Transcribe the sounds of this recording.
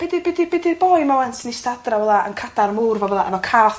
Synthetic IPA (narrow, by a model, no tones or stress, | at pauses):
b̥ɛdibɛdibɛdirbɔːjmawɛnsənistadravɛlˠaənkʰad̥armuːrvɔvɛlˠaʔənɔkʰaːθ